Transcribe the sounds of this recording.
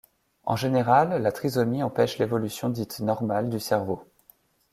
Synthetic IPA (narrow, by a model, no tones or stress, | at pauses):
ɑ̰̃ʒeneʁalːat̪χizɔmiɑ̃pɛʃlevɔlysjɔ̃d̪it̪nɔʁmald̪ysɛʁvo